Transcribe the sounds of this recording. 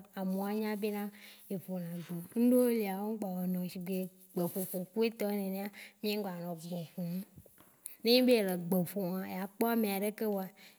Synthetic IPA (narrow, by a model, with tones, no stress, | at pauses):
a˨mõ˨a˨ɲã˦be˦nã˦e˨ɸo˨nã˨ɡ͡bo˨ŋ̩˦ɖo˦wo˦li˨a˨wo˦ŋ̩˦ɡ͡ba˨we˨nɔ̃˨si˨ɡ͡be˨ | ɡ͡be˨ɸo˨fo˨ku˦e˦t̪ɔ˦e˦nẽ˨nẽ˦a˦mĩ˦e˦ɡ͡ba˨nɔ̃˨ɡ͡bõ˨ɸũ˨˦ | nẽ˦ɲĩ˦be˦e˨le˨ɡ͡be˨fo˨ã˨je˨a˨k͡pɔ˦a˦mẽ˨a˨ɖe˦ke˦wo˦a˨